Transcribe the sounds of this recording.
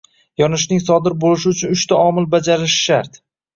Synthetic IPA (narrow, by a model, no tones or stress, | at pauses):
jɒnɪʃ̬nɪŋsɒd̪ɪɾbolɪʃ̬ɪʊt͡ʃʰʊnʊʃt̪aɒmɪlˠbad͡ʒaɾɪʃʃaɾt̪